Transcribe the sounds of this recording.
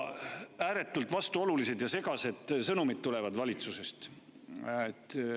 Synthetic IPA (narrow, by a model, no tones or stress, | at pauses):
æːɾe̞t̪ːˑult̪ˑvɑst̪uo̞lulise̞d̪̥jɑse̞ɡɑse̞d̪̥sɤnumit̪̚t̪ːule̞vɑd̪vɑlʲit̪suse̞st̪ | et̪ː